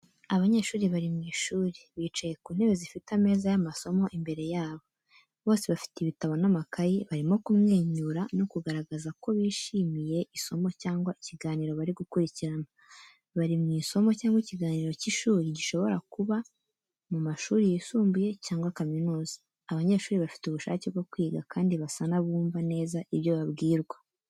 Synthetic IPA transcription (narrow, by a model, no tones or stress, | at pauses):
aβaɲe̞ːʃuːɾiβaɾimŋiːʃuːɾiβiːt͡ʃaje̞kuːn̥he̞βe̞zifitame̞ːzajamaso̞mo̞ʔimbe̞ɾe̞jaːβo̞ | βo̞ːse̞βafi̥tiβitaβo̞namakajiβaɾimo̞kumŋeːɲuɾano̞kuɡaɾaɡazako̞βiːʃiːmije̞ʔiso̞mo̞caːŋɡwaiciɡaːniːɾo̞βaɾiɡukuɾiciɾana | βaɾimŋiːso̞mocaːŋwiciɡaːniːɾo̞ciʃuːɾiɟiʃo̞βo̞ɾakuβa | mumaʃuːɾijesuːmbuje̞caːŋɡwakaminuːzḁ | aβaɲe̞ːʃuːɾiβafi̥tuβuʃa̰ːcebɡokwiːɡakʰaːndiβasanaβuːmvane̞ːzaʔiβjo̞βaβɡiːɾɡwa